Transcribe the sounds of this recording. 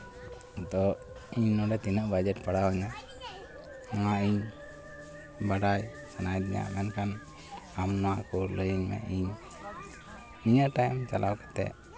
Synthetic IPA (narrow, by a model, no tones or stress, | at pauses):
d̪ɔ | iɲnɔɖɛt̪inaʔbad͡ʒɛʈpaɽawaɲa | aaʔiɲ | baɽaj | sanajd̪iɲa̰ʔmɛnkan | amnɔwakɔləjəɲmɛ̰iɲ | niɲaʔʈajmt͡ʃalawkḁt̪ɛ̰ʔ